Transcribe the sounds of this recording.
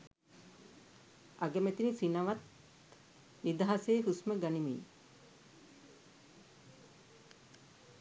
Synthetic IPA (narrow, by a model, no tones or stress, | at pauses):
aɡəmet̪inisinaʋat̪ | nid̪aɦaseːɦusməɡanimḭː